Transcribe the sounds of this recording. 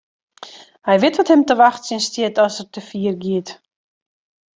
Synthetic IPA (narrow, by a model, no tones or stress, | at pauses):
hajvɪtvɔthɪmtəvaχt͡sənstiətɔsəɾtʰəfiːɾɡit